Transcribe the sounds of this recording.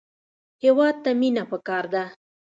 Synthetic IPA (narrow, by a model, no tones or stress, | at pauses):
hewɑd̪̚t̪aminapəkɑɾd̪a